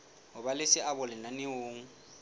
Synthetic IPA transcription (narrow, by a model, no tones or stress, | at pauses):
ɦʊbalɪsɪabʊlɪnanɪoːŋ̩